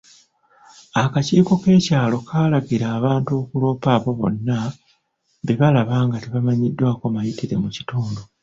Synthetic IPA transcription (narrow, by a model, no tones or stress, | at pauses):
akaciːko̞ke̞ːcaːlo̞kʰaːlaɡiɾaːβaːntuːkulo̞ːpaːβo̞βo̞̰nːa | beβalaβaːŋɡateβamaɲidːwaːko̞majitiɾe̞̰muci̥tuːndo